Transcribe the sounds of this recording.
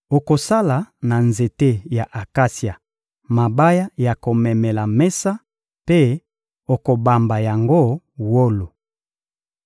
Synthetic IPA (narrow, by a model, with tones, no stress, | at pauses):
o˨ko˨sa˦la˨na˨nze˨te˦ja˨ʔa˨ka˦sja˨ | ma˨ba˦ja˦ja˨ko˨mɛ˨mɛ˨la˨mɛ˦sa˦ | pe˦ | o˨ko˨ba˨mba˨ja˨ŋɡo˦ | wo˦lo˨